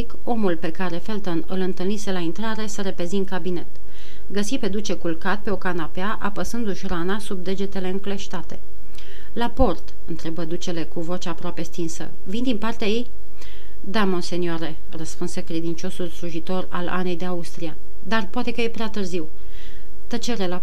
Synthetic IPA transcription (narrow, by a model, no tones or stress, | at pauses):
ik | o̞mulpe̞kaɾe̞fe̞lt̪onɨlɨnt̪ɨlnise̞laint̪ɾaɾe̞səɾe̞pe̞zint̪̚kabine̞t̪ | ɡəsipe̞d̪ut͡ʃe̞kulkat̪̚pe̞o̞kanapeaʔapəsɨnd̪uʃranasub̚d̪e̞d͡ʒe̞t̪e̞le̞ɨŋkle̞ʃt̪at̪e̞ | lapo̞rt̪ɨnt̪ɾe̞bəd̪ut͡ʃe̞le̞kuvo̞t͡ʃaːpɾoapest̪insə̰ | vind̪inpart̪eaje̞j | d̪amo̞nse̞niaɾe̞ | rəspunse̞kɾe̞d̪int͡ʃo̞sulsluʒit̪o̞ra̰la̰ne̞jd̪e̞aust̪ɾia | d̪arpoat̪e̞kəjepɾeat̪ɨrziw | t̪ət͡ʃe̞ɾe̞la